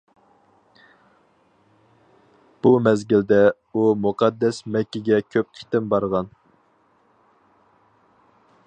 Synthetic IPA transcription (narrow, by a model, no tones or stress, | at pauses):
b̥umɛzɡʲild̪ɛ | umuqʰɑd̪ːɛsmɛkʲːiɡʲɛkʲʰøp̚qʰi̥t̪ɪmbɑɾʁɑn